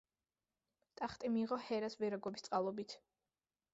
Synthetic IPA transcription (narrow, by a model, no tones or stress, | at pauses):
t̪ʼaχt̪ʼimiːʁɔhɛɾasvɛɾaɡɔbist̪sʼqʼalˠɔbit̪ʰ